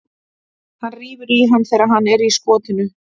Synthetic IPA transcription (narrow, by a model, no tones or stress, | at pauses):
hanriːvʏɾiɦanmːθɛːɾaɦanːɛɾiskɔːt̪ɪnʏ